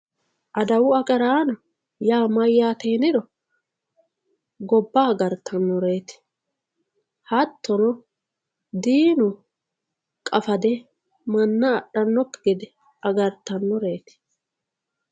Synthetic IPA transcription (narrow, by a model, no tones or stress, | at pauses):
ʔɐd̪ɐwʊɐkʼɐɾaːnɐ | jaːmɐjːaːt̪eːnɪd̪ɔ | ɡɔbːaːɡɐɾt̪ʰːɐnːɔɾe̞ːt̪ɪ̥ | hɐt̪ːɔnɔ | d̪iːnʊ | kʼɐfɐd̪ɛ | mɐnːɐːɗːɐnːɔkːɡɪd̪ɛ | ɐɡɐɾt̪ːɐnːɔɾeːt̪ɪ̥